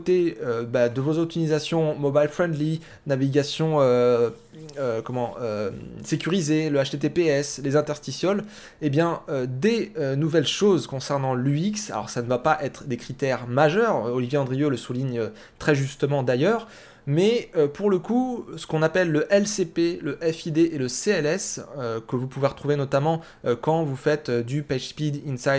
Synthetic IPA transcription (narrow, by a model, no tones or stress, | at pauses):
t̪eøbad̪əvozɔt̪inizasjɔ̃mɔbajlfχɛ̃nd̪li | naviɡasjɔ̃ø | økɔmɑ̃øsekʲyʁizeləaʃt̪et̪epeɛslezɛ̃t̪ɛʁst̪isɔl | ebjɛ̃ød̪eønuvɛlʃozkɔ̃sɛʁnɑ̃lyiksa̰lɔ̰ʁsanəvapaʔɛt̪χəd̪ekχit̪ɛʁmaʒœʁɔlivjeɑ̃d̪ʁijoləsuliɲø | t̪χɛʒyst̪əmɑ̃d̪ajœʁ | mɛøpuʁləkusə̥kɔ̃napɛlːəʔɛlsepeləʔɛfid̪eʔeləseɛlɛsøkəvupuveʁət̪χuvenɔt̪amɑ̃ | økɑ̃vufɛt̪ød̪ypɛʒspid̪insajd̪